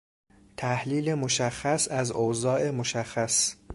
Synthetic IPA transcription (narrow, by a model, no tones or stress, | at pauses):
t̪ʰæhliːlemoʃæxːæsæzozɒːʔemoʃæxːæs